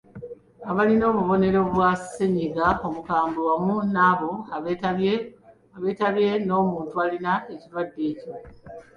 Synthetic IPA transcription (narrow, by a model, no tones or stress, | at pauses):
aβalino̞ːβuβo̞ne̞ɾo̞βwase̞ɲiɡao̞mukaːmbuwamunaːβo̞ae | aβe̞ːtaβje̞no̞ːmuːntualinae̞ciɾwadːe̞ːco̞